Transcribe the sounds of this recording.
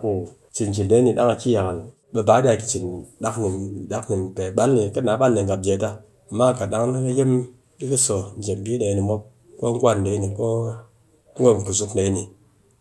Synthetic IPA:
ku˨ | t͡ʃi˨n˨t͡ʃi˨nde˨˦ni˨ɗa˦ŋa˨ki˦ja˨ka˨l | ɓe˧ba˨˦ɗʲa˧˨ki˨t͡ʃi˨nɗa˦kni˨mɗa˦kni˨m˨pe˨ɓa˦nli˨ke˦na˨˦ɓa˦nli˨ŋɡa˨p̚d͡ʒe˨˦ta˦ | a˨mːa˦˨ka˨ɗa˦ŋ˦ni˦ke˦je˦m | ɗi˦ki˦so˨n̩˨d͡ʒe˨m˨bi˦ɗe˨jni˨mo˦p̚ | ko˦ŋ̩˦ɡʷa˦˨n˨de˨˦ni˨ko˦ | ŋ̩˦ɡʷo˦˨pu˨su˦kde˨˦i˦ni˨

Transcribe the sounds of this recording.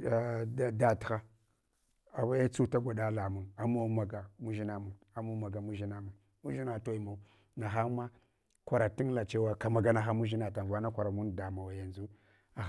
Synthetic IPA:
da˦txa˦ | a˨wa˦a˦t͡su˦ta˦ɡʷa˨ɗa˦la˨mu˨na˨ma˦ma˨ɡa˨mu˦ʒi˦na˦mu˨n | a˨mu˦ma˨ɡa˨mu˦ʒi˦na˦mu˨n | mu˦ʒi˦na˨to˦i˨ma˨ | na˨xa˦ma˦ | kʷa˨ɾa˨ti˦n˦la˨t͡ʃe˦wa˦ka˨ma˨ɡa˨na˨xa˦mu˦ʒi˦na˨ta˨va˦na˦kʷa˨ɾa˨mu˦nda˨ma˨wa˨ja˨nzu˦ | a˨

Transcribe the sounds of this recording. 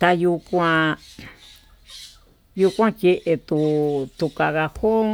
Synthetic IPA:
t̪a˧ju˧kʷã˧ | ju˧kʷã˦ke˧ʔe˧t̪u˧t̪u˧ka˧ɣa˧ho˦

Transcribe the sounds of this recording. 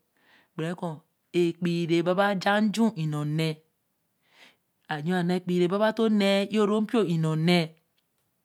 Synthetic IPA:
ɡ͡bɾe˨˦ko˨ | e˨k͡pi˨ɾe˨ba˦ba˦d͡ʒa˦n̩˦d͡ʒu˦ʔi˨no˨ne˦ | a˨d͡ʒo˦a˨ne˦˨k͡pi˨ɾe˨ba˦βa˦to˦ne˦i˦o˦ɾo˦m̩˦i˦o˦i˨no˨ne˦

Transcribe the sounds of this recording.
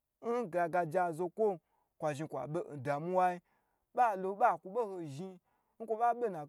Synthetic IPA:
n̩˦ɡa˨ɡa˧d͡ʒa˧˨zo˧kʷo˦ | kʷa˨ʒi˧˨kʷa̰˨ɓe˦n̩˨da˨mu˦wa˦i˦ | ɓa˦˨lo˧ɓa˦˨kʷu˧ɓe˦ho˧ʒi˧ | ŋ̩˦kʷo˧ɓa˦ɓe˦na˨

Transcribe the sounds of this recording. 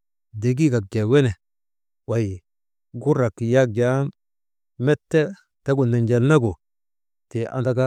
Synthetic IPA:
de˨ɡ̬i˦ka˨k̚ɡe˨we˦ne˨ | wa˨ji˨ | ɡu˦ɾa˨kːi˨ja˦k̚d͡ʒa˦ | mɛ˦tːe˦ | ta˦ɡu˨ne˨nd͡ʒe˨lna˦ɡu˨ | te˨a̰˨nda˦ka˦

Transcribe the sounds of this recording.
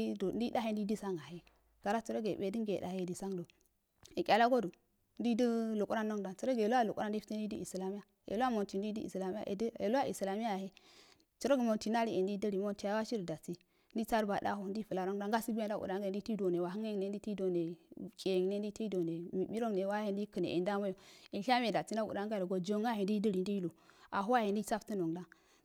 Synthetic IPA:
o˨n˦di˦da˦he˦n˦di˦di˦sa˦ŋa˨ɦe˦ | ɡ̥a˨ɾa˦t͡su˨ɾo˦ɡe˨be˦di˦ɡe˨da̰˨he˦˨di˨sa˦ŋdo˨ | e˨kʲʼa˨la˦ɡo˦du˨ | n˦di˦də˦lu˨kʼu˦a˦nːo˦ŋda˨nt͡su˨ɾo˦ɡe˨lo˦a˦˨lu˨kʼu˦ɾa˦n˦i˦fi˦ti˦n˦di˦di˦i˨sla˨mi˦ja˨ | ḛ˨lo˦a˦mo˨nti˨ndi˦di˦ḭ˨sla˨mi˦a̰˦˨ʔḛ˨de˨lo˦a˦ʔḭ˨sla˨mi˦a˨he˦ | t͡su˨ɾo˦ɡi˨mo˨nti˨na˦ɾi˦ʔe˨ndi˦də˦ɾi˨mo˦nti˨ja˦wa˦ʃi˦ɾda˨t͡si˦ | ndi˦t͡sa˦ɾba˨da̰˦hu˦˨ndi˦fu˨la˨ɾo˦ŋda˦ŋɡa˦si˦bu˦a˨n˦da˦˨ṵ˨da˦ŋɡa˨ndi˦i˦do˨ne˨wa˨ɦi˦ŋe˦˨ne˦ndi˦ti˦do˨ne˨kʼe˨ŋne˦n˦di˦ti˦do˨ne˨mi˨bi˦ɾo˦ŋne˨˦wa˦he˨ndi˦kə˨nḛ˨ʔḛ˨nda˦mo˦jo˨i˨nɬa˦m˦e˨da˨t͡si˦n˦da˦ṵ˨da˦ŋɡa˦˨o˨ɡo˨d͡ʒo˦ŋɡa˦he˨ndi˦də˦ɾi˨n˦di˦jlo˨a̰˨ɦu˦a˦he˨n˦di˦t͡sa˦fti˦no˨ŋda˦ŋ

